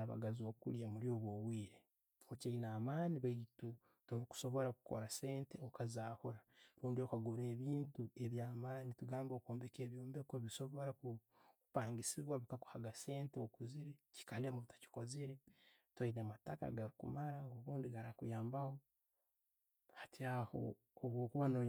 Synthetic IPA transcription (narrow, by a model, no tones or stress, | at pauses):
aβa̰ɡaziokṵɾjamulio̞βwowwiːɾe | ocainamaːniβatu | toɾiku̥so̞βo̞ɾaku̥ko̰ɾase̞ːnteokazaːhoɾaɾuːndiokaɡuɾe̞βiːntue̞βjaːmaːnituɡaːmbokoːmbeke̞ːβjoːmbekoβiso̞βo̞ɾaku | kupaːŋɡisiβwaβikaku̥haɡase̞ːnteokuziɾeci̥kalemuβitḁci̥ko̞ziɾetwainamataka̰ɡaɾikṵmaɾaoβuːndiɡaɾakujaːmbaho̞ | hḁtiaho̰ː | βwoːkuβano